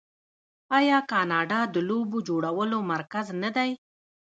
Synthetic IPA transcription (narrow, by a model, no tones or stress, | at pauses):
ɑjɑkɑnɑɖɑd̪əlobod͡ʒoɽawəlomaɾkaznad̪aj